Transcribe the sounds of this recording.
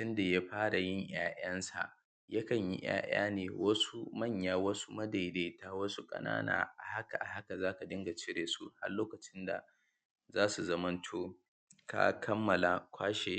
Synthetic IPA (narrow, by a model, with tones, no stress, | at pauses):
tʊ˦nda˨ja˦ɸaː˦ɽa˨jɪ˦ɲj̰aː˦ʔɐ˦nsa̰˨ʔ | jɐ˦kɐ˨ɲjḭ˦j̰a̰ː˦ja̰ː˦neː˨wɐ˦su˦mɐ˦˨ɲjaː˦˨wɐ˦su˦mɐ˦da˨jde˨taː˦wɐ˦su˦kʼɐ̰˦na̰ː˦na̰ː˨ʔa˨ha˦ka˨ʔa˨ha˦ka˨zaː˦ka˨dɪ˦ŋɡa˨t͡ʃɪ˦ɽeː˨su˦ha˦rloː˦kɐ˨t͡ʃɪ˦nda̰˨ | zaː˦su˨zɐ˦mɐ˦ntʰoː˦ | ka̰˦kʰɐ˦mːɐ˨la˨kʷʰaː˦ʃe˨